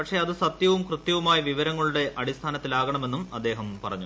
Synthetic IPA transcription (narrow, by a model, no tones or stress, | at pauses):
pɐkʂe̞ɐðɨsɐt̪jɐʋumkrɨt̪jɐʋumaːjiʋiʋɐɾɐŋːɐɭuɽe̞ʔɐɽist̪ʰaːnɐt̪ːilaːɣɐɳɐme̞nːumɐd̪ːe̞ːɦɐmpɐrɐ̰ɲːu